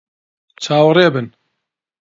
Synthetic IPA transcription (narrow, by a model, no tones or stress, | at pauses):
t͡ʃʰaːwreːbɨn